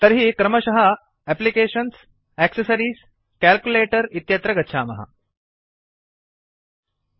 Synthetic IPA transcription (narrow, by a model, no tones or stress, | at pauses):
t̪əɾɦiːkɾəməɕɐɦɐ | æplikeɕəns | æksəsəɾiːs | kælkjuleʈəɾit̪jɐt̪ɾɐɡɐt̪ːɕʰaːmɐ̰ɦa̰